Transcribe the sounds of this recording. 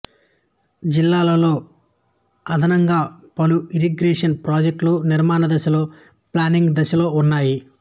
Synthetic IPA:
d͡ʒilːaːlɐlo̞ː | ɐd̪ʱɐnɐŋɡaːpɐluiɾiɡɾeːʂɐnpɾaːd͡ʒek̚ʈluniɾmaːnɐd̪ɐʃɐlo̞ː | plaːniŋɡd̪ɐʃɐlo̞ːunːaːji

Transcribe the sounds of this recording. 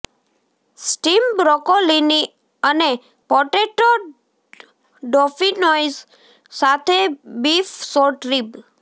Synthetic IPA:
sʈimbɾɔkolini | əne | pɔʈeʈo | ɖɔfinɔjz | sat̪ʰebifsoɾʈɾib

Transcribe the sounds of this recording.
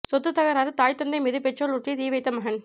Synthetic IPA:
sɔt̪ːɯt̪ːɐɣɐɾaːɾɯt̪aːjt̪ːɐnd̪ɐɪmiðɯpɛt͡ʃːoɭuʈrit̪iːʋɐɪt̪ːɐmɐɦɐn

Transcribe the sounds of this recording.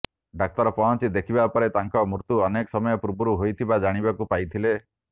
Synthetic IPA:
ɖak̚t̪ɔɾɔpɔɦɔnt͡ʃid̪ekʰibapɔɾet̪aŋkɔmɾut̪uɔnekɔ̥sɔmɔjɔpuɾbuɾuɦojt̪ʰibad͡ʒaɽ̃ibakupajt̪ʰile

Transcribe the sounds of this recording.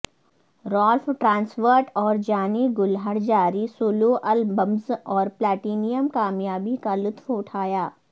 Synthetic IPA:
ɾɔːlfʈɾãːnsfəɾʈɔːɾd͡ʒaːniɡʊlɦəɽd͡ʒaːɾisoːloʔɐlbəmzɔːɾplɛːʈiːnijəmkaːmjaːbikalʊt̪ʰfʊʈʰaːjaː

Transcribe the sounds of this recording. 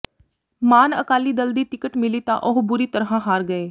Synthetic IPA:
maːnəkaːliːd̪əld̪iːʈɪkəʈmɪliːt̪ã̰ːʔʊɦbʊɾiːt̪əɾɦãːɦaːɾɡəeː

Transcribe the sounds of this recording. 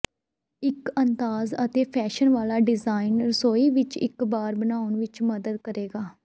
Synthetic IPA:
ɪkənd̪aːzət̪eːpʰɛːʃənʋaːlaːɖɪzaːɪnɾəsoːiːʋɪt͡ʃɪ̰kbaːɾbənaːʊnʋɪt͡ʃməd̪əd̪kəɾeːɡaː

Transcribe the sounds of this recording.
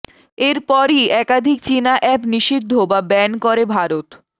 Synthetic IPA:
eɾpɔɾiɛkad̪ʱik̚t͡ɕinaʔɛpniʃid̪ʱːobabɛnkoɾebʱaɾot̪

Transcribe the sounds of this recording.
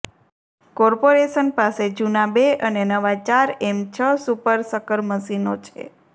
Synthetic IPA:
kɔɾpoɾeʃənpased͡ʒunabeənenəʋat͡ʃaɾemt͡ʃʰəsupəɾsəkəɾməsinot͡ʃʰḛ

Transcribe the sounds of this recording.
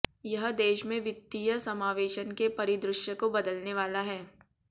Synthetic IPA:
jɐɦd̪eːʃmẽʋɪt̪ːijəsɐmaːʋeːʃənkepɐɾɪd̪ɾʊʃjəkobɐd̪əlneʋaːlaɦɛː

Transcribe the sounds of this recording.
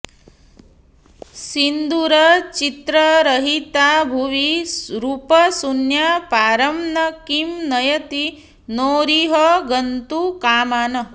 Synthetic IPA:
sind̪uɾɐt͡ʃit̪ɾɐɾɐɦit̪abʱuʋiɾupɐsunjapaːɾɐmnɐkimnɐjɐt̪i | noːɾiɦɐɡɐnt̪ukaːmaːnɐ

